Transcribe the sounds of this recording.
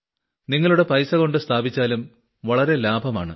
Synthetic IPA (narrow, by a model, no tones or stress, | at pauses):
niŋːɐɭuɽe̞pɐjsɐɣo̞ɳɖɨst̪ʰaːbʱit͡ɕːaːlum | ʋɐɭɐɾe̞laːbʱɐma̰ːɳɨ̰